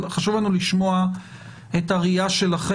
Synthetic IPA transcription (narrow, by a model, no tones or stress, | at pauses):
χaʃuvlanuliʃmo̞a | e̞taʁiaʃelaχe